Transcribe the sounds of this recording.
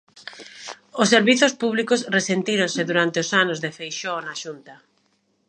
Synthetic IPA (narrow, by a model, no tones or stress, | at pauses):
ʊsːeɾβiθʊspuβlikʊsresent̪iɾoŋseðuɾant̪eʊsanozðefejʃonaʃunt̪ɐ